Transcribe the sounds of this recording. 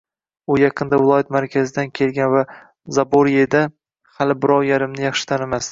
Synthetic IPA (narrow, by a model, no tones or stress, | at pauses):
ʊjɑqʰɨnd̪avɪlˠɒjat̪maɾkʲʰazɪd̪ankʲʰe̞lˠɡʲanva | zaboɾed̪a | halɪbɪɾɒwjaɾɪmnɪjɑχʃɪ̥t̪ʰanamas